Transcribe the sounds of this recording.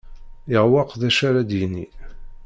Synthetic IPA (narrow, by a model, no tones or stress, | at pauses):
ɪʁwɑqðæʃaɾad̪jənːḭ